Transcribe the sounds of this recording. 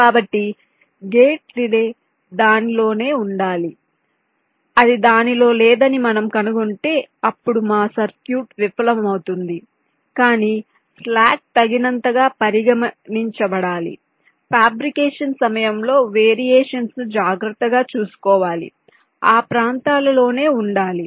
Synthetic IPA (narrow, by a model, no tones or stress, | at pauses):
kaːbɐʈːi | ɡeːʈlileː | d̪aːnilo̞ːne̞ːuɳɖaːli | ɐd̪id̪aːnilo̞ːlɛːd̪ɐnimɐnɐmkɐnuɡoɳʈe̞ːɐpːuɽumaːsɐɾkjuːʈʋipʰɐlɐmɐmɐwut̪und̪i | kaːniː | plaːk̚t̪ɐɡinɐnt̪ɐɡaːpɐɾiɡɐmɐniɲt͡ʃɐbɐɽaːlḭ | pʰaːbɾikeːʂɐnsɐmɐjɐmlo̞ːʋeːɾijeːʂɐnsd͡ʒaːɡɾɐt̪ːɐɡaːt͡ʃuːsu̥kɔːʋaːlḭ | aːpɾaːnt̪aːlɐlo̞ːne̞ːuɳɖaːli